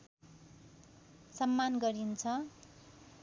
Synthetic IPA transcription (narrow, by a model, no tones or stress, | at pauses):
sʌmːanɡʌɾint͡sʰʌ